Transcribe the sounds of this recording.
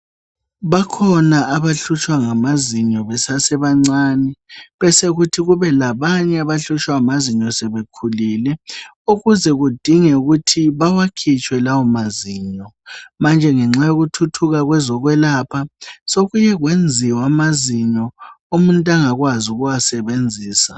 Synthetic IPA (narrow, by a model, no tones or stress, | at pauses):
βakʰɔnaːβaɬut͡ʃʰʼwaŋamaziɲɔβɛsasɛβaŋ͡ǀaːnɛβɛseɣutʰiɣuβɛlaβaɲɛaβaɬut͡ʃʰʼwamaziɲɔsɛβekʰulilɛ | uɣuzɛɣud̥ʱiŋɛuɣutʰiβawakʰit͡ʃʰʼwɛlawɔmaziːɲɔ | mand͡ʒʱɛŋɛŋ͡ǁajoɣutʰutʰuɣaɣwɛzɔɣwɛlaːpʰasoɣujɛɣwend͡zʱiwamaziɲɔumuntʼaŋaɣwazuɣuwasɛβend͡zʱiːsa